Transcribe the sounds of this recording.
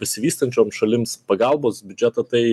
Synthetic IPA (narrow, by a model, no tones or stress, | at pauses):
bʲɛsʲɪʋʲiːst̪ɐnʲt͡ʃʲoːmsʃɐlʲɪmspɐɡɑˑlˠboːsbʲʊd͡ʒʲɛt̪ɐt̪ɐɪ